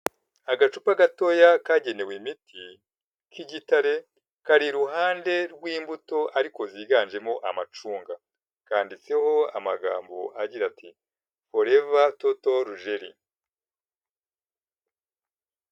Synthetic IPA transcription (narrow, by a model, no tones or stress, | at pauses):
aɡat͡ʃupaɡato̞jakaːɟe̞ne̞wemitʰi | kʰiɟitaɾe̞ | kaɾiɾuɦaːnde̞ɾɡwiːmbuto̞aɾiko̞ziːɡaːnd͡ʒe̞mo̞ʔamat͡ʃuːŋɡa | kaːndit͡se̞ho̞a̰maɡa̰ːmbo̞̰ʔaɟiɾati | fo̞ɾe̞vatotoɾuʒe̞ɾḭ